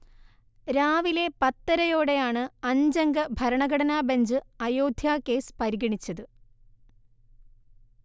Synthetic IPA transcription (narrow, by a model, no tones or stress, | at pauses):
ɾaːʋile̞pɐt̪ːɐɾɐjo̞ːɽe̞jaːɳɨɐɲd͡ʑɐŋɡɐbʱɐɾɐɳɐɡɐɽɐnaːbeɲd͡ʑɨɐjoːd̪ʱjaːkːe̞ːspɐɾiɣɐɳit͡ɕːɐðɨ